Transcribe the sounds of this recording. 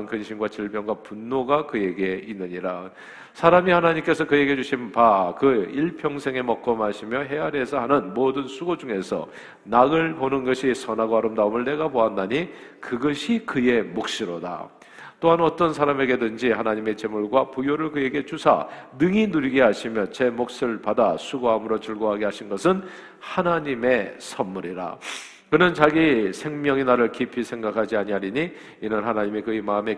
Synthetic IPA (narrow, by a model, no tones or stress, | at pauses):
nkɯnɕʰinɡwat͡ɕiɭpjʌŋɡwapunːoɡakɯje̞ɡieinːɯɲiɾa | sʰaɾamihanaɲimk͈e̞sʰʌkɯje̞ɡiɦed͡ʑuɕʰinpakɯiɭpʰjʌŋsʰe̞ŋe̞mʌk̚k͈ʌmɦaɕʰimjʌɦe̞aɾe̞sʰʌɦanɯnmodɯnsʰuɡod͡ʑuŋe̞sʰʌ̰ | naɡɯɭponɯnɡʌɕʰisʰʌnaɡoɦaɾɯmdaomɯɭːe̞ɡaboandaɲikɯɡʌɕʰikɯje̞mok̚ɕ͈iɾoda̰ | t͈oɦanʌt͈ʌnsʰaɾame̞ɡe̞dɯnd͡ʑihanaɲime̞t͡ɕe̞muɭɡwapujoɾɯɭkɯje̞ɡe̞t͡ɕusʰa̰nɯŋinuɾiɡeɦaɕʰimjʌt͡ɕe̞mok̚s͈ɯɭpadasʰuɡoɦamɯɾot͡ɕɯɭɡoɦaɡeɦaɕʰinɡʌsʰɯn | hanaɲime̞sʰʌnmuɾiɾa̰ | kɯnɯnt͡ɕaɡisʰe̞ŋmjʌŋenaɾɯɭkipʰisʰe̞ŋɡakʰad͡ʑiaɲiɦaɾiɲiː | nɯnhanaɲimikɯemaɯme̞